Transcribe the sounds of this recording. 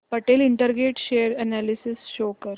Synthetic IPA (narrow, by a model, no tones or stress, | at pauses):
pəʈeliɳʈəɾɡeʈɕeəɾənælisisɕokəɾ